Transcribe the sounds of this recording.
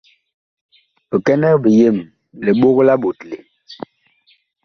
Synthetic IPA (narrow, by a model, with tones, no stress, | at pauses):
bə˨kɛ˦nɛ˦bə˨je˦˨m | le˨ɓo˦ɣla˦ɓo˨tle˨